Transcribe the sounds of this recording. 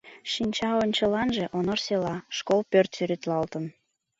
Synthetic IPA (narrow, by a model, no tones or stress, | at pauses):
ʃinʲt͡ɕɑonʲt͡ɕəlɑnʒeʔonorselɑʃkolpørt̪syɾet̪lɑlt̪ən